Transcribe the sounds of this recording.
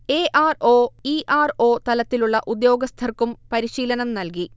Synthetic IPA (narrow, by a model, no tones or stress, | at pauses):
eːʔaːro̞ːiʔaːro̞ːt̪ɐlɐt̪ːiluɭːɐʔud̪jo̞ːɡɐst̪ʰɐrkumpɐɾiɕiːlɐnɐmnɐlk̬i